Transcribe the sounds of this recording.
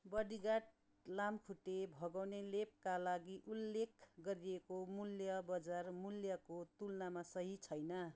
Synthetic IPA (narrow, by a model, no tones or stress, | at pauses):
bʌɽiɡaʈ̚ | lamkʰuʈebʱʌɡawnelep̚kalaɡiʔulːekʰɡʌɾiekomuljʌbʌd͡zarmuljʌkot̪ulnamasʌɦit͡sʰʌjnʌ